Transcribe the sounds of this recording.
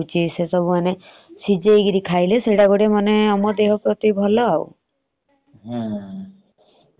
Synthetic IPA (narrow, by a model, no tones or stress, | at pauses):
t͡ʃisesɔbumane | sid͡ʒejɡiɾikʰajleseɖaɡoɽemaneɔmɔd̪eɦɔpɾɔt̪ibʱɔlɔaw̰